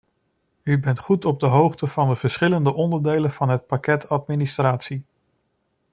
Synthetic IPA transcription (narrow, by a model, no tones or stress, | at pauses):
ybɛntχutɔb̚dəɦowχtəv̥ɑndəv̥əɹsχɪləndəʔɔndəɹdejlənv̥ɑnɦət̚pakɛtɑtministraːtsi